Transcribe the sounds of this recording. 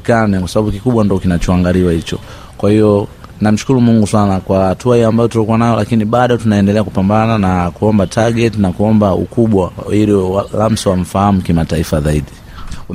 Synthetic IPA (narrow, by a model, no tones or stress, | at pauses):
kanɛkwasaɓaɓukikuɓwandiɔkinat͡ʃɔaŋɡaliwahit͡ʃɔ̰ | kwahiɔ | nam̩ʃu̥kuɾumuŋɡuswanakwahatuahiambajɔtulɔkuwanajɔlakiniɓaɗɔtunaɛndɛlɛakupambananakuɔmbatʰaɡɛtinakuɔmbaṵkuɓwaiɾialam̩siwam̩fahamukimataifazaiɗi